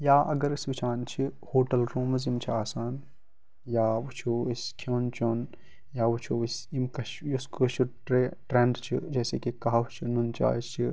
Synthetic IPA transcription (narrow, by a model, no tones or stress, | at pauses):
jaːʔɐɡɐɾɐsʋit͡ʃʰaːnt͡ʃʰihoːʈɐlɾoːmɐzimt͡ʃʰiaːsaːn | jaːʋut͡ʃʰuiskʰoːnt͡ʃoːn | jaːʋut͡ʃʰuisimkɐʃjuskɐʃuʈeʈɾeɳɖt͡ʃʰid͡ʒɛːsekikaɦʋt͡ʃʰinunt͡ʃa̰ːst͡ʃʰi